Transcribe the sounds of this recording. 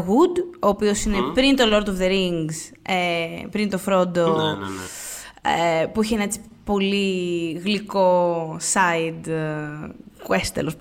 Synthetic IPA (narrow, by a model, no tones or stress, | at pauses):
ɣud̪oːpio̞sine̞pɾint̪o̞lo̞ɾt̪ovðeɾiŋɡs | epɾint̪o̞fɾo̞d̪o | epuiçeenɐet͡si̥po̞liɣliko̞sɐid̪ | kwest̪ḛlos